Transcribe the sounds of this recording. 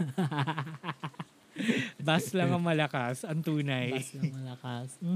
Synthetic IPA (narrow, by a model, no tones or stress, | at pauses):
bɐslɐŋɐŋmɐlɐkasɐŋt̪uːnɐjɐlɐkas